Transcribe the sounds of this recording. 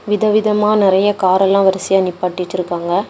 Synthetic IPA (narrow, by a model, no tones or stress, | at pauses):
ʋɪðɐʋɪðɐmaːnɪɾɐjɐkaːɾɛlːãːʋɐɾɐsɪjanɪpːaːʈːɪt͡ʃːɪɾɯkːaːŋɡɐ